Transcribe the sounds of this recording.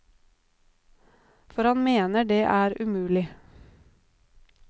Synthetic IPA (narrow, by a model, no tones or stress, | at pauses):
fɔɾhɑnmeːnəɖeːʔæːɾʉmʉːlɪ